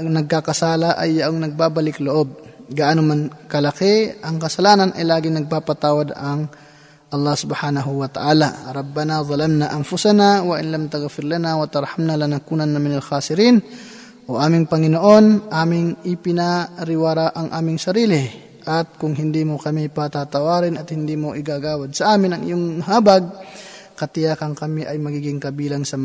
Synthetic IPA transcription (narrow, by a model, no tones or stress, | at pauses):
ŋnɐɡ̚kakɐsaːlaʔɐjːɐʔoŋnɐɡ̚baːbɐlɪkloʔob̚ɡaʔanomankɐlɐkɛʔɐŋkɐsɐlaːnɐnʔɐ̰jlaːɡɪŋnɐɡ̚paːpat̪aːwad̪ɐŋ | ʔɐlˠːɑhsʊbhaːnɐɦʊwɐt̪ɐ̰ʔaːlaɾɑbːɐnaðˤɑlamnaʔɐmfʊsanawɐʔɪnlɐmt̪aɣfɪɾlanawɐt̪ɐɾhamnalanakuːnɐnːamɪnɐlxaːsɪɾiːn | ʔoʔaːmɪŋpɐŋɪnoʔo̞nʔaːmɪŋʔɪpɪnaɾɪwaːɾaʔɐŋʔaːmɪŋsɐɾiːlɪ | ʔɐt̪̚kʊŋɦɪnd̪imokɐmipat̪at̪ɐwaːɾɪnɐt̪̚hɪnd̪iːmoʔɪɡaːɡaːwɐd̪̚sɐʔaːmɪnɐŋʔɪ̰joŋmɦaːbaɡ̚ | kɐt̪ɪjaːkɐŋkɐmiʔɐjmɐɡiːɡɪŋkɐbiːlaŋsɐm